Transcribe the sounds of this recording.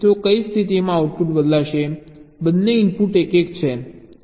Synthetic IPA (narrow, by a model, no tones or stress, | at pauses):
t̪okəist̪ʰit̪imãawʈ̚puʈbəd̪laʃebəd̪ːeimpuʈekekt͡ʃʰe